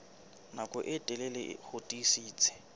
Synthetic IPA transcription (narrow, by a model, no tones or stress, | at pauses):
nakʼɔʔɪtʼɛlɛlɪ̰hʊtʼisiːt͡sʼʰɪ̥